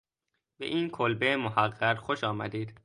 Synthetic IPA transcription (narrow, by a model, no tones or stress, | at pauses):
beʔiːnkʰolbemohæɢːæɾxoʃɒːmæ̰d̪iːd̪